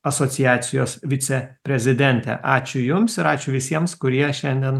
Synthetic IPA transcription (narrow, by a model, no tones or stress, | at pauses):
ɐsoːt̪sʲɪjæːt̪sʲɪjoːsʋʲɪt̪sʲɛpʲɾʲɛzʲɪd̪ʲɛnʲt̪ʲɛ̰ʔɑːt͡ʃʲʊjʊmsɪɾɑːt͡ʃʲʊʋʲɪsʲiɛmskʊɾʲiɛʃʲɛnʲd̪ʲiɛn